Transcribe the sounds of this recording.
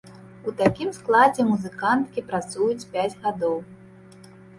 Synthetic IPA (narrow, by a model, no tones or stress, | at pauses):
ut̪akʲimsklˠad͡zʲɛmuzɨkant̪kʲipɾat̪sujut͡sʲpʲad͡zʲɣad̪ɔw